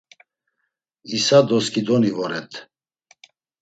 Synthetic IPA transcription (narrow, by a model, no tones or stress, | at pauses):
isad̪ɔskʼid̪ɔnivɔɾɛt̪ʰ